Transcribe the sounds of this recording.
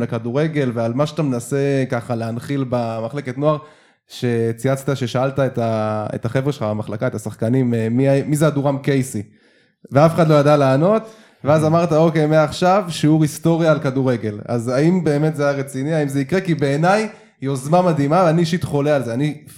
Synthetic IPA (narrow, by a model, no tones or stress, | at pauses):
lekaduʁe̞ɡe̞lvealmaʃat̪amenase̞kaχaleanχilbamaχle̞ke̞tno̞aʁ | ʃe̞t͡siat͡st̪aʃeʃaaltaetaḛtaχevʁeʃelχaamaχlakaet̪asaχkanimeːiaːizeaduʁamke̞jsi | veafeχad̪lo̞jadalaːno̞t | veazamaʁtao̞ke̞jmeaːχʃavʃiuʁisto̞ʁjaːlkaduʁe̞ɡe̞la̰zaimbe̞ːme̞t̪zejaʁet͡siniaimze̞ikʁekibe̞ːnaj | iozmamad̪imavaniʃit̪χo̞lealzeani